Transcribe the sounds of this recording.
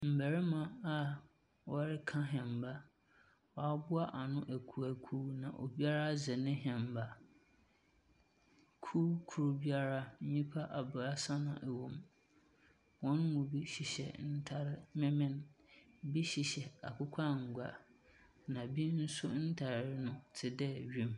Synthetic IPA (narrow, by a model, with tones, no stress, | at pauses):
m̩˨bæ˨ɾɪ˦mã˨a˨ | wɔ˦ɾɪ˦kʰã˦ɦɛ̃˨m˨ba˦ | wɔ˨a˦bʊ˦a˦ʔa˨nʊ̃˦ʔæ˨kʰu˨æ˨kʰuː˦nã̰˨ʔo̰˨bi˦a˦ɾa˦zɛ˨nɪ̃˦ɦɛ̃˨mba˦ | kʰuː˦kʰu˨ɾʊ˨bi˦a˦ɾa˦n̩˦ɲĩ˦pʰa˦ʔa˨bʊ˨a˨sã˦nã̰˨ʔæ˨wõ˨m | wɔ̃˦nmʊ̃˨bi˦ɕi˨ɕɛ̰˨n̩˦tʰa˨ɾɪ˦mɛ̃˦mɪ̃˦n | bi˦ɕi˨ɕɛ˨a̰˨kʰʊ˦kʷʰa˦ŋ̩˨ɡʷa̰˨ | nã˨bi˦n̩˦sʊ˦n̩˦tʰa˨ɾɾɪ˦nʊ̃˦tʰɪ˨dɛ˦˨ɥĩ˦m